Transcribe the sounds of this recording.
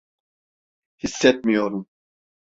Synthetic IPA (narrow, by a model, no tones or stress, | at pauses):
hisːɛt̪̚mijoɾum